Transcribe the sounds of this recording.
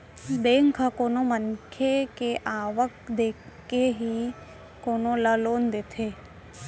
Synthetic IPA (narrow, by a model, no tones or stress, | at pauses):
beːŋkʰakoːnomənkʰekeʔaːʋək̚d̪eːkːeɦi | koːnoləloːnd̪eːt̪ʰeː